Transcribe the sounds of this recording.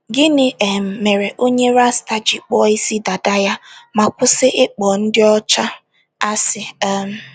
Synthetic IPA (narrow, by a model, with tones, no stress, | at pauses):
ɡɪ˦nɪ˨ʔe˨m̩˨me˨ɾe˨ʔo˦ɲe˦ɾa˦sta˨d͡ʒi˨k͡pɔ˦i˦si˦da˨da˦ja˦ma˨kʷʊ˦sɪ˦ʔɪ˦k͡pɔ˨n̩˦dɪ˦ɔ˦t͡ʃa˦ | a˦sɪ˨a˦m̩˦